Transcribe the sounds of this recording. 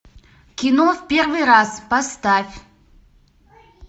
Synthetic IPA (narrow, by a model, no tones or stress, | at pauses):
kʲʰinofʲpʲe̞rvɨjɾaspast̪afʲ